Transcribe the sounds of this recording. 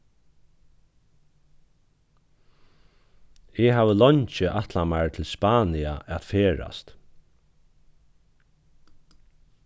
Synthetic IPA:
ɛɦaːʋəlɔɲt͡ʃəʔat̪lamaɹt̪ʰɪlspaːniaʔat̪feːɹa̰st̪

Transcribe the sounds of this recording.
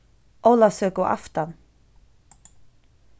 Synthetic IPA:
owlasœːkʊʔa̰ft̪an

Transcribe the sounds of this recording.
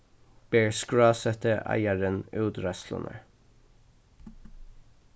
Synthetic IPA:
b̥eːɹskɹɑːsɛt̪əʔæ̰ɪɑɹənʉːd̪ɹɑslɔ̰nə̰ɹ

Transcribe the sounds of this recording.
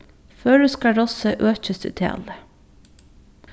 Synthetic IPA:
føːɖʉːskɑɖɔsəʔøːçəsd̪ʉ̰ːt̪ʰḛːlə

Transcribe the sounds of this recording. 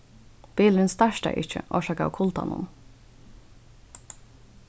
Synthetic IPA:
b̥iːlənst̪æʃd̪æ̰ɪʔɪçə̰ʔo̰ːʃɑːkɑ̰ːkʰʊlt̪ɑ̰nʊ̰n

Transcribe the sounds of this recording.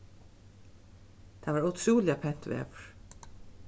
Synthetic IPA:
t̪ʰavaɾat̪ʰɾuːlɪapʰɛn̥t̪vɛ̰ːvəɹ̥

